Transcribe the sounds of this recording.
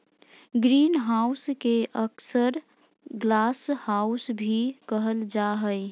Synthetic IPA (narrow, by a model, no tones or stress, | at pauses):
ɡɾiːnɦaʊskeʔəksəɾ | ɡlaːshaʊsbʱikəɦəld͡ʒaɦəɪ